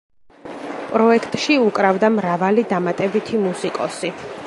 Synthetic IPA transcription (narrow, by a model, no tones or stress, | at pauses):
pʼɾɔɛkʰt̪ʼʃiukʼɾavd̪amɾavalid̪amat̪ʼɛbit̪ʰimusikʼɔsi